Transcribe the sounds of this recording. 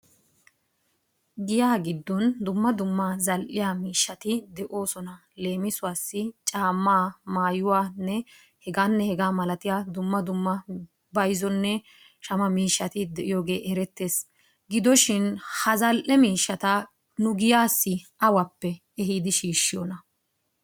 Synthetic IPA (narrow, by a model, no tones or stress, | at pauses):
ɡɪjaːɡɪd̪ːɔnd̪ʊmːɐd̪ʊmːazɐlʔɪjaːmiːʃːɐt̪ɪd̪ɛʔo̞ːsɔnɐ | le̞ːmɪsʊwaːsːɪt͡ʃʼaːmːaːmaːjʊwaːnːɛ | hɛɡaːnːɛhɛɡaːmɐlɐt̪ɪjaːd̪ʊmːɐd̪ʊmːɐ | bɐjzɔnːɛ | ʃɐmɐmiːʃːɐt̪ɪd̪ɛʔɪjo̞ːɡe̞ːʔɛɾɛt̪ːeːs | ɡɪd̪ɔʃɪnhɐzɐlʔɛmiːʃːɐt̪ɐ | nʊɡɪjaːsːɪʔɐwɐpːɛ | ɛɦid̪ɪʃiːʃːɪjɔnɐ